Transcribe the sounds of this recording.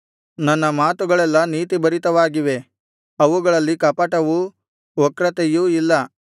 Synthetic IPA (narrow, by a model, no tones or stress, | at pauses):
nɐnːɐmaːt̪uɡɐɭɛlːɐniːt̪ibɐɾit̪ɐʋaːɡiʋe̞ | ɐʋuɡɐɭɐlːikɐpɐʈɐʋu | ɔkɾɐt̪ejuilːɐ